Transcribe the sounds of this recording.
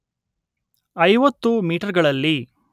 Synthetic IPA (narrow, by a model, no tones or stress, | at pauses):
ɐjʋɐt̪ːumiːʈɐɾɡɐɭɐlːi